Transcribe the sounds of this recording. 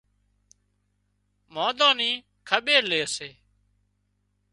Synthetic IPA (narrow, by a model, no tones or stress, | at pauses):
moːd̪ãːnĩː | kʰəɓeːɾleːəseː